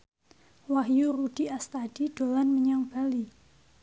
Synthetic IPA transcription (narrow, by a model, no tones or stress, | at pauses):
waɦjurud̥i̤ast̪ad̥id̥o̤lanməɲaŋb̥ali